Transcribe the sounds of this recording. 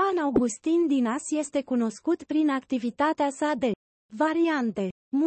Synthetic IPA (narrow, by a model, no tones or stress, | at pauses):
anawɡust̪ind̪inasje̞st̪e̞kuno̞skut̪pɾinakt̪ivit̪at̪easad̪e̞ | vaɾiant̪e̞ | m